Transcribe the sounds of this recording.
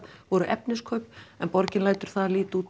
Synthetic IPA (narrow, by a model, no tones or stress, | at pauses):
vɔɾʏʔɛpnɪskʰœɥpɛnpɔɾcɪnlaːjt̪ʏɾ̥θaðliːt̪uːt̪